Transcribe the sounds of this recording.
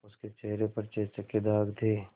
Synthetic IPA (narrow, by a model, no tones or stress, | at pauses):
ʊsket͡ʃeɦɾepɐɾt͡ʃeːt͡ʃɐkːed̪ʱaːɡd̪ʰeː